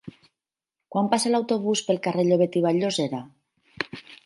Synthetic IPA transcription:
kwampaselawt̪oβuspelˠkareʎoβet̪iβ̞aʎozeɾa

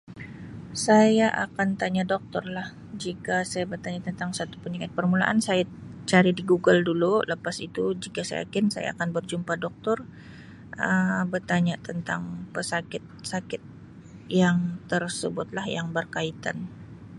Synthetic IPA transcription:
sajaʔa̰kant̪aɲadɔk̚t̪ɔrlah | d͡ʒikasajabərt̪aɲat̪ənt̪aŋsat̪u̥pəɲakat̪̚pərmula̰ʔansajat͡ʃaɾidiɡuɡəldululəpasit̪ud͡ʒikasa̰ja̰kɪnsa̰ja̰a̰kanbərd͡ʒumpadɔk̚t̪ɔr | ʔəbərt̪aɲat̪ənt̪a̰ŋpəsakɪt̪̚sakɪt̪̚ | jaŋt̪ərsəbʊt̪̚lahjaŋbərkait̪a̰n

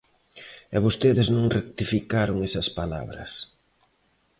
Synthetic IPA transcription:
ɛβost̪eðɪznõŋrek̚t̪ifikaɾoŋesɐspala̰βɾɐ̰s

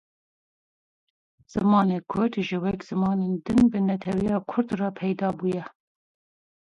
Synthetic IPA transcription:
z̥ɨmɑːneːkʰʊɾd̪ʒɨwɛkz̥ɨmɑːneːnd̪ɨnbɨnɛt̪ʰɛwijɑːkʰʊɾd̪rɑːpʰɛjd̪ɑːbuːjɛ

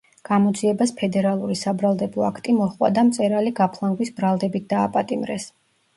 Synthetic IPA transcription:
ɡ̥amɔd̪ziɛbaspʰɛd̪ɛɾalˠuɾisabɾalˠd̪ɛblˠɔakʰt̪ʼimɔχwa̰d̪amt̪sʼɛɾaliɡapʰlˠaŋɡwisbɾalˠd̪ɛbit̪̚ʰd̪aːpʼat̪ʼimɾɛ̰s

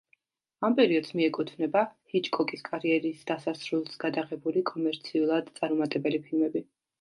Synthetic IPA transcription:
ampʼɛɾiɔd̪̥smiɛkʼut̪ʰvnɛbahit͡ʃʼkʰɔkʼiskʼaɾiɛɾisd̪asasɾulˠsɡad̪aʁɛbulikʼɔmɛɾt̪sʰiulˠad̪t̪sʼaɾmɔmat̪ʼɛbɛlipʰilˠmɛbi

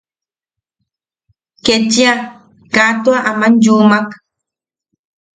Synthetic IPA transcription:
kentia | kaːt̪uaʔamanjuːmak

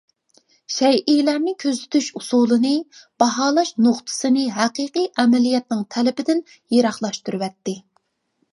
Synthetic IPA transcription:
ʃɛjʔijlæɾnɪkʲʰøzyt̪ʰyʃusulˠɨnɨb̥ɑɦɑːlˠɑʃnoχt̪ʰɨ̥sɨnɨɦæqiːqijʔɛmɛlijɛt̪nɪŋt̪ʰɛlɪbɪd̪ɪn | jeɾɑχlˠɑʃt̪uɾɨwɛt̪ːɪ

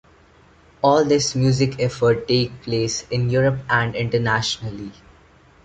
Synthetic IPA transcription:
ɔːld̪ɪsmjuːzɪkɛfəɾʈːeːk̚pleːsɪ̃njuːɾəpæ̃ɳɖɪ̃ɳʈəɾnæʃənəli

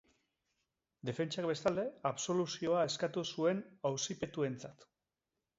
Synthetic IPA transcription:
d̪e̞fe̞nt͡ʃakbe̞st̪ald̪e̞aβso̞lusio̞aeskat̪usue̞nawsipe̞t̪ue̞nt͡sat̪

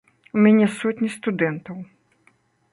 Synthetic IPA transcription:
umʲanʲɛsɔt̪ʲnʲist̪ud̪ɛnt̪ɐw

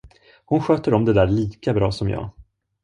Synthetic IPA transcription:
hʊnɧøːt̪əɾɔmd̪ɛd̪æːɾɭiːkabɾɑːsɔmjɑ̰ː

